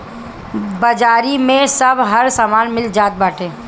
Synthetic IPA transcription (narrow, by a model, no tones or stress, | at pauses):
bɐd͡ʒaːɾimẽsɐbʱɦɐɾsaːmaːnmɪld͡ʒaːt̪̚baːʈẽː